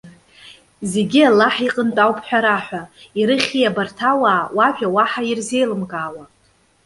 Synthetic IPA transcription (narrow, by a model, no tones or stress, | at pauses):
ze̞ɡʲialːaħiqʼəntʼawpʰħʷᶣaɾaħᶣʷaiɾɨχʲijabartʰawaːwaʒᶣawaħairze̞jlɨmkʼaːwa